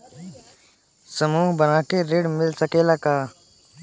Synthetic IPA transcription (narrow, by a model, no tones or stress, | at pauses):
səmuːɦbənaːkeɾeːɖmɪlsəkelaːkaː